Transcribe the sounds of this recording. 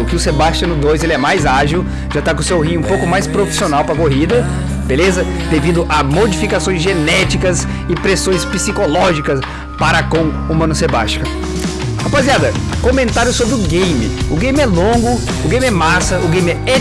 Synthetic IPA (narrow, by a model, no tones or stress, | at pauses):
ʊkɪʊsebaʃt͡ʃɐ̃nʊd̪ojzelɪɛmajzaʒiw | ʒ̥at̪ak̬õsewɦĩɲʊũpowkʊmajspɾofi̥sionawpɾɐkoɦid̪ɐ | belezɐ | d̪evid̪ʊʔɐmod͡ʒifikasõj̃zʒenɛt͡ʃikɐs | ɪpɾesõj̃spisikolɔʒikɐs | paɾɐkõw̃ | umɐ̃nʊseba̰ʃt͡ʃkɐ̃ | apaziad̪ɐkõmẽnt̪aɾjʊsobɾɪʊɡẽjmɪ̰ʊɡẽj̃mɪɛlõɡʊ | ʊɡẽj̃mɪɛmasɐʊɡẽj̃mɪɛɛ